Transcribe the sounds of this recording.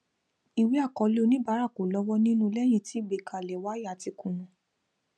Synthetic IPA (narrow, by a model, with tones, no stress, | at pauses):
i˨we˦a˦˨kɔ˧˦lo˧nĩ˦ba˨˦ɾa˦˨ko˨lɔ˦wɔ˦nĩ˦nũ˦lɛ˦j̃ĩ˧ti˨˦˨ɡ͡be˨kʰa˨lɛ˨wa˦ja˨ti˧kũ˨nũ˨